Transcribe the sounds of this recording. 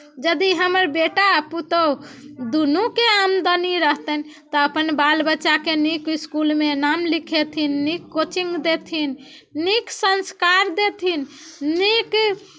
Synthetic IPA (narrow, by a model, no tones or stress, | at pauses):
d͡ʒəd̪iɦəməɾbeʈaput̪ə | d̪unukeamd̪əniɾəɦt̪ən | t̪ɔəpənbalbətːʃakenikiskulmenamlikʰet̪ʰinːikːot͡ʃiŋɡd̪et̪ʰinː | iksənskaɾd̪et̪ʰinːik